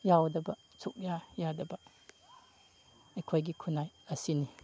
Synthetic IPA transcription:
jawdɐbɐ | suk̚jajadɐbɐ | ekʰojɡikʰunajɐsini

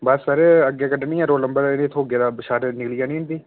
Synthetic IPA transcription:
bəsəɾəɡːeːkəɖenĩːɛ̃ːɾoːləmbəɾnet̪ʰoːɡeːd̪aːbəʃaːɾnɪklijaːnĩːɦʊ̃nd̪iː

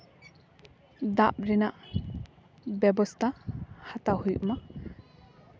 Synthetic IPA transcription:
d̪ap̚ɾɛnaʔ | bɛbɔst̪ʰahat̪ahujma

